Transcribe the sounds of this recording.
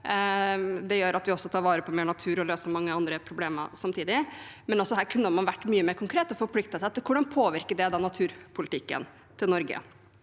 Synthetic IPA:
d̪ɛjøːɾɑt̪ʋɪɔsːɔt̪ʰɑːɾʋɑːɾəpʰɔmeːɳɑt̪ʰʉːɾɔløːsəmɑŋːəɑnd̪ɾəpʰɾʊbleːmə̰ɾsɑmt̪ʰiːd̪ɪmɛnɔsːɔɦæːɾkʰʉnːəmɑnʋæʈːmyːəmeːɾkʊŋkʰɾeːt̪ɔfɔɾpʰlɪkt̪əsæɪt̪ːɪkʰʊɖɑnpʰoːʋɪɾkəɖɛd̪ɑnɑt̪ʰʉːɾpʰʊlɪt̪ɪkːə̰n | t̪ʰɪlnɔɾɡə̰

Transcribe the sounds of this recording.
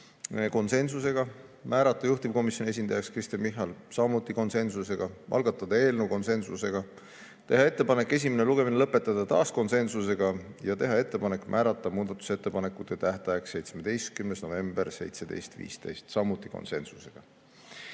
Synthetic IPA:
eko̞nse̞nsuse̞ɡ̥ɑmʔæːɾɑt̪ːˑɑjuht̪ib̥̚ko̞misʲjo̞nʲie̞s̬ʲinɑjɑkskrist̪enmiɦɑlsɑmut̪ːˑiko̞nse̞nsuse̞ɡ̥ɑvʔɑ̰lɡɑt̪ːˑɑd̪̥ɑe̞ːlneuko̞nse̞nsṵse̞ɡ̥ɑ | t̪e̞ɦɑe̞t̪ːe̞pɑne̞kːˑe̞s̬ʲimeneluɡ̥e̞minelɤpːˑe̞t̪ːˑɑd̪̥ɑt̪ɑ̰ːsko̞nse̞nsuse̞ɡ̥ɑjɑt̪e̞ɦɑe̞t̪ːe̞pɑne̞kːˑmʔæːɾɑt̪ːˑɑmuːd̪̥ɑt̪ːˑu̥set̪ːepɑnekːˑut̪ːˑet̪æht̪ɑjɑkse̞jt̪smed̪̥e̞jst̪̚kymnesno̞ve̞mb̥erse̞jt̪sed̪e̞̰jst̪vḭːst̪e̞̰jst̪sɑmut̪ːˑiko̰nse̞̰nsu̥se̞ɡ̥ɑ

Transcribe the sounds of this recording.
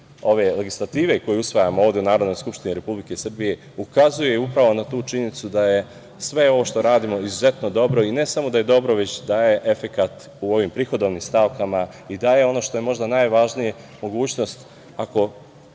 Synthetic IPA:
o̞ʋe̞le̞ɡislˠat̪iːʋe̞ko̞jeusʋajamooːʋd̪ʲe̞unaːɾod̪no̞jskupʃt̪iniɾe̞publikesr̩bije̞ | ukazujeupɾaʋo̞nat̪uːt͡ʃiɲenit̪sud̪aje̞ | sʋe̞o̞ʋo̞ʃt̪o̞ɾaːd̪imo̞izuze̞t̪no̞d̪o̞bɾo̞ine̞samo̞d̪aje̞d̪o̞bɾo̞ʋe̞t͡ɕd̪aje̞ʔefe̞kat̪ | uo̞ʋimpɾiːxo̞d̪oʋnimst̪aʋkama | id̪aje̞o̞no̞ʃt̪o̞jemo̞ʒd̪anajʋaʒnije̞ | mo̞ɡuːt͡ɕno̞st̪ | ako̞

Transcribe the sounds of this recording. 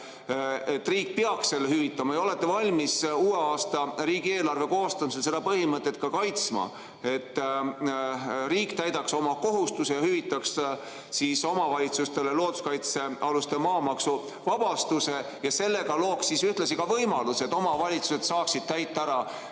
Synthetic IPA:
et̪ːriːk̚peɑksse̞lːehyvit̪ːˑɑmɑjɑo̞le̞t̪ˑːevɑlʲmisuːeɑːst̪ɑɾiːɡ̥ie̞ːlɑrve̞ko̞ːst̪ɑmis̬else̞d̪ɑpɤhimɤt̪ːˑe̞t̪ːˑkɑkɑjt̪smɑ̰ | e̞t̪ː | ɾiːkt̪æjd̪̥ɑkso̞mɑko̞ɦust̪usejɑhyvit̪ːˑɑks | siso̞mɑvɑlʲit̪sust̪e̞lelo̞ːd̪̥u̥skɑjt̪se̞ɑlust̪emɑːmɑksu | vɑb̥ɑst̪use̞ | jɑse̞lːe̞ɡɑlo̞ːksisyht̪lɑsikɑvɤjmɑluse̞t̪ːˑo̞mɑvɑlʲit̪suse̞t̪sɑːksid̪̥̚t̪æjt̪ˑːɑæɾɑ

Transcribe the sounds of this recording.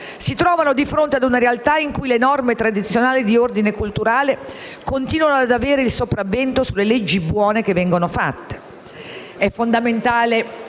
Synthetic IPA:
sit̪ɾɔːvanod̪ifɾont̪ead̪unaɾealt̪aiŋkujlenɔrmet̪ɾad̪it̪sːjonaːlid̪iord̪inekult̪uɾaːle | kont̪iːnwanoad̪aveːɾeilsopɾavːɛnt̪osulːeled͡ʒːibwɔːnekevːɛŋɡonofa̰t̪ːe̥ | ɛfːond̪ament̪aːle

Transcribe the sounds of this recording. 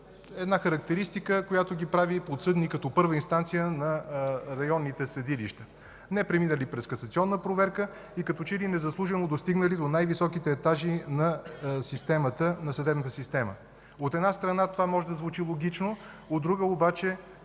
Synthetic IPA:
ɛd̪naxəɾɐk̚t̪ɛɾist̪ikəkojat̪ʊɡʲipɾavipot̪sɤd̪nikɐt̪ɔpɤɾvəinst̪ant̪sijənɐɾɐjɔnːit̪ɛsɐd̪iliʃt̪ə̥ | nɛpɾɛminəlipɾɛskɐsət̪siɔnːəpɾovɛɾkə | ikɐt̪ɔt͡ʃɛlinɛzɐslˠuʒɛnod̪ost̪iɡnəlid̪onajvisɔkit̪ɛːt̪aʒinɐsist̪ɛmət̪ənɐsɐd̪ɛbnt̪ə̥sist̪ɛmə̰ | ot̪ɛd̪nast̪ɾɐnat̪ovamɔʒɛd̪ɐzvut͡ʃilˠoɡ̟it͡ʃno | od̪ːɾuɡəobat͡ʃɛ

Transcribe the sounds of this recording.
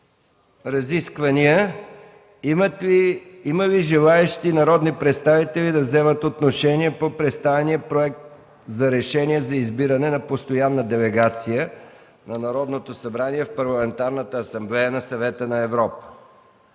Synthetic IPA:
ɾɐziskvɐniə | iməviʒɛlˠaɛʃt̪inɐɾɔd̪nipɾɛt̪st̪avit̪ɛlid̪ɐvzɛmət̪ot̪noʃɛniɛpopɾɛt̪st̪avɛniəpɾoɛk̚t̪ | zɐɾɛʃɛnʲiɛzɐizbiɾənɛnɐpost̪ojanːəd̪ɛlɛɡat̪sijə | nɐnɐɾɔd̪not̪osɐbɾaniɛfpɐɾlˠɐmɛnt̪aɾnət̪əːsɐmblɛjənɐsɐvɛt̪ənɐɛvɾɔpə̥

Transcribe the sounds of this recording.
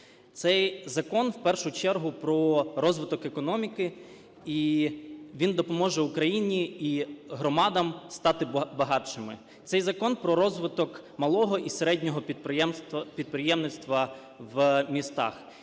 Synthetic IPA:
t̪sɛjzɐkɔnwpɛrʃʊt͡ʃɛrɦʊpɾɔɾɔzʋɪt̪ɔkekɔnɔmʲikɪ | i | ʋʲind̪ɔpɔmɔʒɛʊkɾɐjinʲiiɦɾɔmɑd̪ɐmst̪ɑt̪ɪbɐɦɑt͡ʃɪmɪ | t̪sɛjzɐkɔnpɾɔɾɔzʋɪt̪ɔkmɐlˠɔɦɔʔiseɾɛdʲnʲɔɦɔpʲ | pʲid̪̚pɾɪjɛmnɪt̪st̪ʋɐ | ʋmʲist̪ɑ̰x

